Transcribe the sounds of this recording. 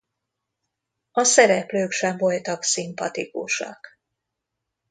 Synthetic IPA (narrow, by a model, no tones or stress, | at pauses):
ɒsɛɾɛpløːkʃɛɱvo̞lt̪ɒksimpɒt̪ikuʃɒ̰k